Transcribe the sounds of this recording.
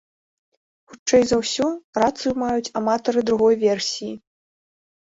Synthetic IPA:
xut͡ʂt͡ʂːɛjzɐwsʲɔrat̪sɨjumajut͡sʲamat̪ɐɾɨd̪ɾuɣɔjvʲɛrsʲiji

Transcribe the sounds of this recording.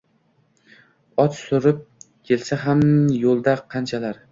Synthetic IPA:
ɒt̪sʊɾɪp̚ | kʲʰe̞lsaɦamjolˠd̪aqʰɑnt͡ʃʰalaɾ

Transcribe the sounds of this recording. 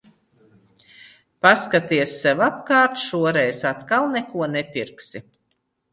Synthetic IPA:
paskat̪iɛsːɛwap̚kaːɾt̪ʃuɔɾɛjsat̪kalˠnɛkuɔnɛpʲiɾksi

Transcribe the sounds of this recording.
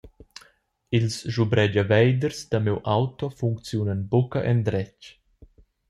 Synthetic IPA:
ilsʒubɾɛd͡ʒavɛjd̪əɾsd̪amewʔawt̪ɔfuŋkt͡sjunənbokɐʔɛnd̪ɾɛt͡ʃ

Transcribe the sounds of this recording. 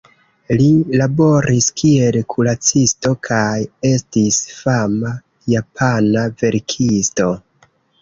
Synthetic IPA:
lilabo̞ɾiskie̞lkʰulat͡sisto̞kʰaje̞stisfama | japʰanave̞ɾkʰisto̞

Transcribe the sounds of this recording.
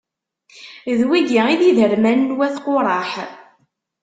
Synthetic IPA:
ðwiɡiiðiðəɾmænːwæθqʊɾˤɑħ

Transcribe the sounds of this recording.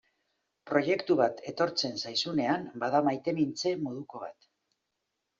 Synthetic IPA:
pɾo̞je̞kt̪uβat̪ʰe̞t̪o̞ɾt͡se̞nsajsune̞ambað̞amajt̪e̞mint͡se̞mo̞ð̞uko̞β̞a̰t̪

